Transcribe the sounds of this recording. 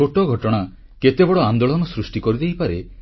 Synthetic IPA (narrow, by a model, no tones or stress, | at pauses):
oʈɔɡʱɔʈɔɽ̃a | ket̪ebɔɽɔand̪oɭɔnɔsɾusʈikɔɾid̪eɦjpaɾe